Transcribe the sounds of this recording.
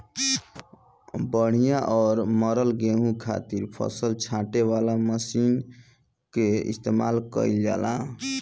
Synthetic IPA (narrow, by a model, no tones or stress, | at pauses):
bəɽ̤ijaʔɔːɾməɾəlɡeɦũkʰa̰t̪iɾpʰə̰səlt͡ʃʰãʈewalaməsin | keḭst̪emalkə̰ild͡ʒa̰lã